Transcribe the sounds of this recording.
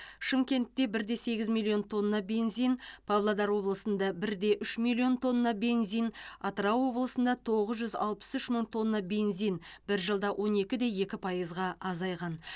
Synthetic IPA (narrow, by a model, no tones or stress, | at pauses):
ʃəmkʲe̞nt̪ːe̞bɪɾd̪e̞se̞ɡʲɪzmʲilʲˠːio̞nt̪ʰo̞nːɑbe̞nzijnpʰavlˠad̪ɑɾwo̞blˠəsənd̪ɑbɪɾd̪e̞ʔʏʃmilʲio̞nt̪ʰo̞nːɑbe̞nzijnɑt̪əɾɑwwo̞blˠəsənd̪ɑt̪ʰo̞ʁəzʒʏzɑ̰lˠpə̥sʏʃməɴt̪ʰo̞nːɑbe̞nzijnbɪɾʒəlˠd̪ɑwʔo̞ne̞kʲɪd̪e̞je̞kʲɪpʰɑjəzʁɑɑzɑjʁɑn